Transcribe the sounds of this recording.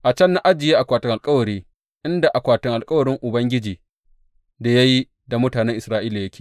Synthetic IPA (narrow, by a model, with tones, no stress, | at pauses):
ʔa˨t͡ʃɐ˦nːa˦ʔa˦d͡ʒɪ˨jeː˦ʔa˨kʷaː˨tɪ˦ŋʔa˨lkʼɐ˦wɐ˨ɾiː˦ | ʔɪ˦nda˨ʔa˨kʷaː˨tɪ˦ŋʔa˨lkʼɐ˦wɐ˨ɽɪ˦ŋʔʊ˨bɐ˦ŋɡʲɪ˦d͡ʒiː˨ | da˨ja˦ji˦ | da˨mʊ˦taː˨nɛ˦ŋʔɪ˨sɾaː˦ʔiː˦la˨jɐ˦kʲeː˨